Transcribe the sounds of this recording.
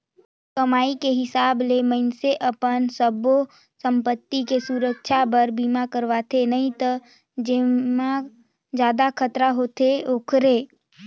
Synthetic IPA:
kəmaːikeɦɪsaːbleməɪnseʔəpənsəbo | sə̃mpət̪ːikesuɾəkʃʰabəɾbiːmakəɾʋat̪ʰenɐɦĩt̪ə | d͡ʒɪmã | d͡ʒjaːd̪akʰət̪ɾaɦoːt̪ʰeoːkʰɾeː

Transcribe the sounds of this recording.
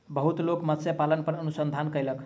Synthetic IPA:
bəɦut̪lokmət̪sjepalənpəɾənusənd̪ʱankəjlək

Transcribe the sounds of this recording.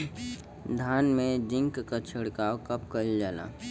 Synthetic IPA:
d̪ʱaːnmẽd͡ʒɪ̃ŋkkət͡ʃʰəɽkaokəp̚kəld͡ʒaːla̰ː

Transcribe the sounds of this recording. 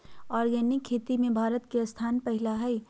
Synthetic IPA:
ɔːɾjɐnikʰːeːt̪imẽbʱaːɾət̪kest̪ʰaːnpɐɦɪlaɦɛi

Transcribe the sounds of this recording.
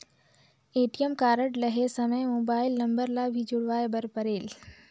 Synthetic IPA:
eːʈijəmkaːɾəʈlɐɦesɐməjmoːbaːɪlnɐ̃mbəɾlabʱid͡ʒʊɽʋaːebɐɾpəɾeːl

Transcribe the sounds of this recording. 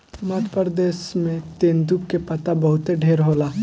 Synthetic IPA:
məd̪ʱpɾd̪eːʃmẽt̪eːnd̪up̚kepɐt̪abɐɦʊt̪eɖʱeːɾɦoːlaː

